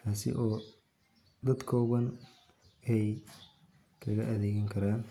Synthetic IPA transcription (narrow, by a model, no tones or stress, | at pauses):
t̪ʰaːsɪ̰ʔɔː | d̪ɐd̪kʰɔːɣɐn | ɛj | kʰɐɣɐʔɐðɛːɣɪŋkʰɐɾaːn